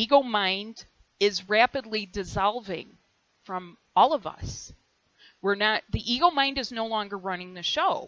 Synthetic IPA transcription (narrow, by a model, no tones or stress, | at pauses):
iɡoʊmãɪ̃nd | ɪzɹæpɨdˡlidɨzɑlˠvɪ̰̃ŋ | fɹʌ̃m | ɔlˠʌvʌ̰s | wɪɹnət̪̚ðiʔiɡoʊmãɪ̃ndɨznoʊlɔ̃ŋɡə˞ɹʌnɪ̃ŋðɨʃoʊ